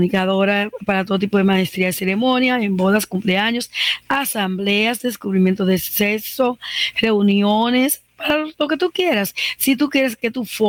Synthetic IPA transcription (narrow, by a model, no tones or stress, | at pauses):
nikaðo̞ɾapaɾat̪o̞ðot̪ipo̞ðemaest̪ɾiaðese̞ɾemõ̞njaembo̞ðaskumpleaɲo̞sasambleasd̪eeskuβɾimje̞nt̪oðesesore̞unjones | paɾalo̞ket̪ukjeɾasːit̪̬ukje̞ɾeske̞t̪ufo